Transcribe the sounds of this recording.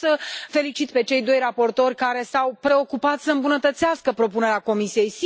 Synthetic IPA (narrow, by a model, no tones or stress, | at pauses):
səfe̞lit͡ʃit̪pe̞t͡ʃe̞jd̪o̞jrapo̞rt̪o̞rʲkaɾe̞sawpɾe̞o̞kupat̪səɨmbunət̪ət̪seaskəpɾo̞pune̞ɾeako̞misije̞js